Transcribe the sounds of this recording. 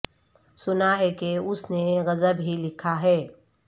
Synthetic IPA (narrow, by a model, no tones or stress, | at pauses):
sʊnaɦɛkeʊsneɣɐzəbɦilɪkʰaɦɛː